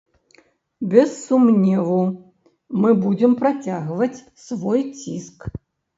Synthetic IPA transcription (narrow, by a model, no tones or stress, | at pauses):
bʲɛsːumnʲɛvu | mɨbud͡zʲɛmpɾat͡sʲaɣvɐt͡sʲ | svɔjt͡sʲisk